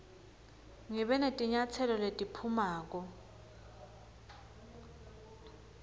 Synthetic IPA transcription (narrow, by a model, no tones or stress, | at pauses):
ŋiɓɛnetʼiɲat͡sʰɛlɔletʼipʰumaːk̬ɔ